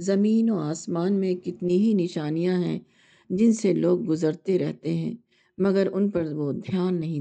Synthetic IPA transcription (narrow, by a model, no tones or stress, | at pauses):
zɐmiːnoːaːsmaːnmẽkɪt̪niɦinɪʃaːnijãɦɛ̃ | d͡ʒɪnseloːɡ̚ːʊzəɾt̪eɾɛɦt̪eɦɛ̰̃ː | mɐɡəɾʊnpɐɾʋod̪ʱjaːnːɐɦĩ